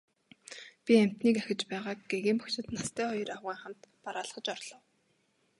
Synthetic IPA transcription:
pʲiæm̥ʲt̪niːkæxʲɪ̆t͡ɕpæːʁaːkɡeɣiːmpɔkt͡ɕɪ̆t̪nast̪ʰæːχɔjɞ̆rawʁiːŋχam̥t̪paɾaːɮ̆χə̆t͡ɕɔrɮɞ̆w

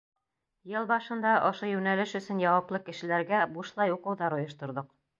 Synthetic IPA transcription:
jɤlˠbɑʃɤ̆nd̪ɑʔŏʃojʉnælɘʃɵ̆sɵnjɑwɑplˠɤkɘ̆ʃɘ̆læɾɡæbuʃlˠɑjuqɤ̆wðɑɾŏjɤ̆ʃt̪ŏɾðoq

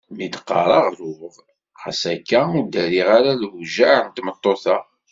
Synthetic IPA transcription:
mid̪qːɑ̰ɾˤɑʁɾuəʁ | χa̰sækːæud̪æɾiʁaɾalwʒaʕənt̪mət̪ˤːoθa

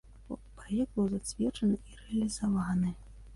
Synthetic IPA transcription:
pɾajɛɡ̚d̪̚bɨwzat͡sʲvʲɛt͡ʂɐnɨirɛɐlʲizavanɨ

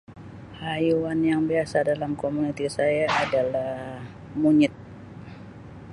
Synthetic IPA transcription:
hajuanjaŋbiasadalamkomunit̪isajaːdalah | muɲɪt̪̚

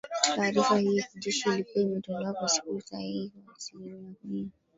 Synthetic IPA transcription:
kti̥tkaːɾifahiakiʄɛʃiːlikuaimɛtɔŋɡaakwasi̥kusahihikwasiɲanakia

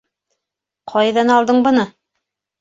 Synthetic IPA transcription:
qʰɑjðɑnɑlˠd̪ɤɴbɤ̆nɤ

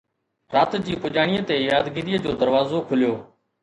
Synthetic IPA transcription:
ɾaːt̪d͡ʑiːpʊʄaːɽ̃iːət̪eːjaːd̪ɡiɾiːəd͡ʑoːd̪əɾʋaːzoːkʰʊljoː

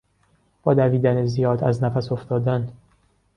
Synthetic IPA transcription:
b̥ɒːd̪æviːd̪ænezijɒːd̪æznæfæso̞ft̪ɒːd̪æn

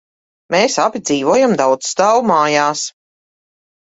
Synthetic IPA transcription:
meːsabid̪ziːvɔɔjamd̪awt̪sst̪aːwumaːjaːs

